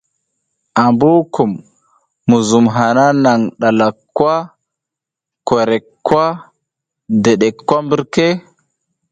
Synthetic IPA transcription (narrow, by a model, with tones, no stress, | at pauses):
ʔa˨mbu˦ku˨mː | u˨zu˨mɦa˨na˦na˨ŋɗa˨la˨kːwa˦ | ko˨ɾɛ˨kːwa˦ | de˨ɗe˨kːwa˦mbi˦ɾke˦